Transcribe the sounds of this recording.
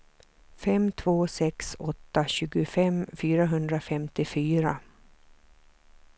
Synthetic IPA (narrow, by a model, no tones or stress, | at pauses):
fɛmt̪ʰvoːsɛksɔt̪ːaɕʉ̟ːɡʊfɛmfyːɾaɦɵnd̪ɾafɛmt̪ɪfyːɾa